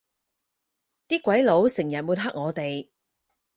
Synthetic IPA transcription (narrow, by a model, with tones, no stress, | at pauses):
t̪iː˥kwɐ˨˥jlo˨˥wsɪ˨˩ŋjɐ˨t̚muː˨˧n̚ɦa˥k̚ŋɔː˨˧t̪e˨j